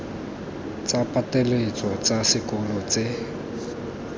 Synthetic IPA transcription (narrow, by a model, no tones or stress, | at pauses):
t͡sʼapʼatʼelet͡sʼɔt͡sasɪkʼɔlɔt͡se